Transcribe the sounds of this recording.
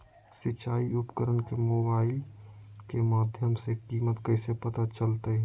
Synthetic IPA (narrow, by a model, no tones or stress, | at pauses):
sɪt͡ʃaːiʊpkəɾənkemoːbaːɪlkemaːd̪ʱjəmsekiːmət̪kɐisepɐt̪at͡ʃəlt̪eɦɛ